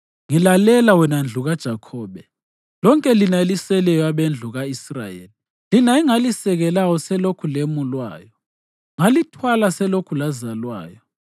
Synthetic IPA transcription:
ŋilalɛlawɛnand͡ɮʱuɣad̥ʒ̥ʱakʰɔːɓɛ | lɔŋkʼɛlinailisɛlɛjɔaβend͡ɮʱuɣaisra̰jḛːli | linaiŋalisɛɣɛlawɔsɛlokʰulemulwa̰ːjɔ | ŋalitʰwalasɛlokʰulazalwa̰ːjɔ

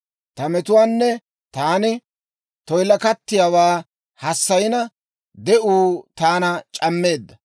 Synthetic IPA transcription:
t̪ɐmɛt̪ʊwaːnːɛ | t̪aːnɪ | t̪ɔjlɐkɐt̪ːɪjaːwaː | hɐsːɐjɪnɐ | d̪ɛʔuːt̪aːnɐt͡ʃʼɐmːe̞ːd̪ːɐ

